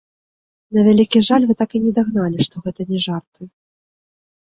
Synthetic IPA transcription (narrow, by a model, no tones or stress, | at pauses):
nɐvʲalʲikʲiʐalʲvɨt̪akɨnʲɛd̪aɣnalʲiʂt̪ɔɣɛt̪ɐnʲɛʐart̪ʰɨ